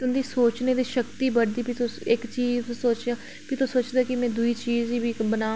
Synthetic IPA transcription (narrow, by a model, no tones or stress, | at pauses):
ʊnd̪iːsoːt͡ʃneːd̪iːʃəkt̪iːbəɽd̪iːpʰit̪ʊsɪkt͡ʃiːzsoːt͡ʃaː | pʰɪt̪õsoːt͡ʃd̪aːkɪmɛ̃ːd̪ʊiːt͡ʃiːziːbibənaː